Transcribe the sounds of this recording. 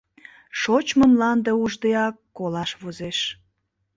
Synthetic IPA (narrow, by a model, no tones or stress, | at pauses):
ʃot͡ɕməmlɑnd̪euʒd̪eɑkːolɑʃβozeʃ